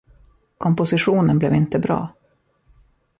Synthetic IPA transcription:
kʰɔmpʊsɪɧuːnənblɛvɪnt̪əbɾɑ̰ː

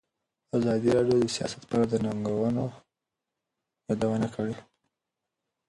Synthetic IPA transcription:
azɑd̪iɾɑɖjod̪əsijɑ̰sḁt̪pɑɾad̪ənaŋɡawəno | jɑd̪awanakʰəɽe

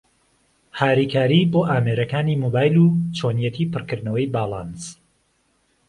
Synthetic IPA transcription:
haːɾikʰaːɾiːboːʔaːmeːɾɐkaːniːmoːbaːjlut͡ʃʰoːnjɛt̪ʰiːpʰɨrkɨɾd̪nɐwɐjbaːlˠɑns

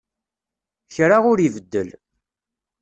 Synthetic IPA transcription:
çɾaʁʊɾivəd̪ːəl

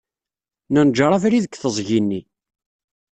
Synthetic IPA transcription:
nænd͡ʒɾˤɑvɾiðəkːθəzˤʝinːi

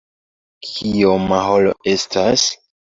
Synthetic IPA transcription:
kʰiomaɦolo̰e̞stas

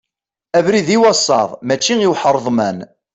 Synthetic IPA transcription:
ævɾiðiwɑsˤːɑ̰ðˤmæt͡ʃːiiwħəɾˤðˤmæn

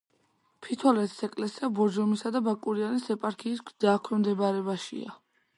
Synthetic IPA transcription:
pʰit̪ʰɔlɛt̪ʰi̥sɛkʼlɛsiabɔd͡ʒɔmisad̪abakʼuɾianisɛpʼaɾkʰiːs̬ɡd̪aːkʰwɛmd̪ɛbaɾɛbaʃḭa̰

